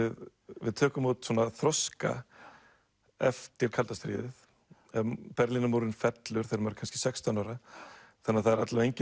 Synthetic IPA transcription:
ɪð | vɪ̰ðt̪ʰœːkʏmut̪sɔːnaθɾɔska̰ | ɛ̰ft̪ɪɾ̥kʰalt̪ast̪ɾḭːðɪð | ɛpɛɾlinamuːɾɪnfɛt̪lʏɾ̥θejɾɪmaɾkʰanscɪ̥sɛkst̪ʰanawɾaθanːaðθaðɛɾat̪laejɲcɪ

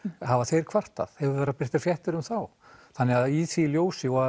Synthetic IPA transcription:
ɦavaθejɾ̥kʰv̥ar̥t̪a̰ð̥hɛvʏvɛːɾapɪr̥t̪ḁɾ̥fjɛht̪ɪɾʏmθaw | θanːɪaðisiljoːwsɪɔa

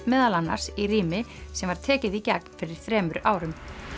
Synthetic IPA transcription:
mɛːðalanːa̰ɾ̥siriːmɪsɛmvaɾ̥t̪ʰɛːcɪðicak̚n̥fɪɾɪɾ̥θɾɛːmʏɾʔaːwɾʏm

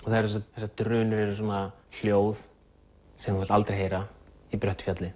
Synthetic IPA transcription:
ɔθaðɛɾsust̪aθɛsːat̪ɾʏːnʏɾɛɾʏs̬wɔːnal̥joːwð | sɛmɛlt̪alt̪ɾejɦeːjɾaipɾœht̪ʏ̥fjat̪lɪ

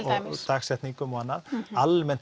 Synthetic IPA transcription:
ɔɣt̪ʰaːksɛht̪niŋkʏmɔhanːaðalmɛnt̪

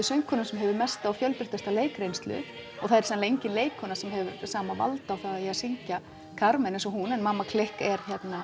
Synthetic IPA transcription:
sœjŋkʰɔnʏmsɛmɦɛvʏɾmɛst̪awfjœlp̪ɪ̥ft̪ɛst̪aleːjkɾejnst̪lʏ̰ | ɔɣθaðɛɾ̥sɛðanlejɲcɪnleːjkhɔnasɛmɦɛvʏɾsaːmava̰lt̪awθaɣaiaðsiɲca | kʰaɾmɛnẽjnsɔɦunɛnmaːmːakʰlɪhkɛɾ̥çɛt̪na

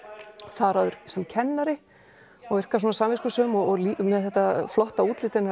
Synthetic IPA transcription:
θaðɾaðʏɾ̥sɛmcʰɛnːaɾɪ | ɔɣvɪr̥kas̬wɔːnasaːmvɪskʏsœːmɔɔlimɛðθɛht̪aflɔht̪auːt̪lɪt̪ɪna

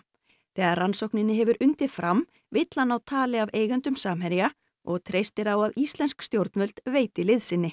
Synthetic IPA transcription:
θɛːɣaɾransowknɪnːɪɦɛvʏɾʔʏnt̪ɪfɾʔam | vɪt̪lanawt̪ʰaːlɪaveːjɣʏnt̪ʏmsaːmɦɛɾja | ɔɣt̪ʰɾejst̪ɪɾawaðist̪lɛnskst̪jowɾt̪nvœl̥t̪veːjt̪ɪlɪðsɪnːɪ

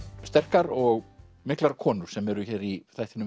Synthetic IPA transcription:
st̪ɛr̥kaɾɔɣ | mɪklaɾ̥kʰɔːnʏɾ̥sɛmɛɾʏçɛːɾiθajht̪ɪnʏ

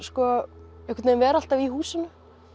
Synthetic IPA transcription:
skɔɛhkvɪt̪neːmvɛːɾal̥t̪avihuːsʏnʏ

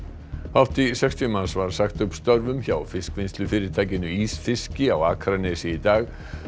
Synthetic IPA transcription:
hawft̪isɛkst̪iʏmansvaɾ̥saxt̪ʏpst̪œɾvʏmçawfɪskvɪnst̪lʏfɪːɾɪɾ̥t̪ʰaːjcɪnʏisfɪscɪawaːkʰɾanɛsɪit̪aːɣ

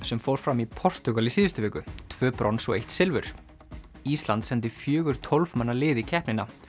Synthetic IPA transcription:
sɛmfowɾ̥fɾamipʰɔr̥t̪ʏɣalisiːðʏst̪ʏvɛːkʏt̪ʰvœːpɾɔnsɔ̰ɣejht̪sɪlvʏɾ̥ | ist̪lant̪sɛnt̪ɪfjœːɣʏɾ̥t̪ʰolvmanːalɪːðicʰɛhpnɪnːa

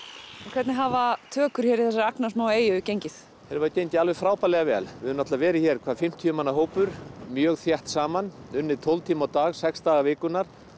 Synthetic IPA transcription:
ɔkʰvɛt̪nɪɦaːvat̪ʰœːkʏɾ̥çɛːɾiθɛsːaɾaknḁsmaːweːjʏcejɲcɪθ | θɛːɾvaɾcejnt̪ɪalvɛfɾaːwpalɛɣavɛːlvɪðʏnat̪lavɛːɾɪçɛːɾ̥kʰvaːðfɪm̥t̪ʰiʏmanːaɦoːwpʏɾ̥mjœːɣθjɛht̪saːmanʏnːɪt̪ʰowlt̪ʰiːmawt̪aːɣsɛkst̪aːɣavɪːkʏnaɾ̥

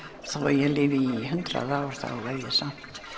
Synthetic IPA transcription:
θawa̰ɾjɛlɪːvɪiɦʏnt̪ɾa̰ðaːwɾ̥θa̰laːjðɪsam̥

